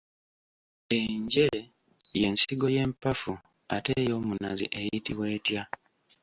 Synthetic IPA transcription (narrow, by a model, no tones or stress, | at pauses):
eiɲɟe | je̞nsiɡo̞je̞ːmpafu | a̰te̞ːjo̞ːmunazḭʔe̞jitiβwe̞ːtja